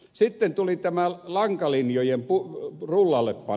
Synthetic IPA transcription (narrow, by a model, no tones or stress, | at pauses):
sit̪ːent̪ulit̪æmælɑŋkɑlinjojempurulːɑlːeppɑ